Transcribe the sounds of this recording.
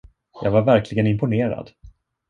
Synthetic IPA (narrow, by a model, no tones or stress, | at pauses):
jɑːɡvaɾvæɾkʰlɪɡənɪmpʊneːɾa̰d̪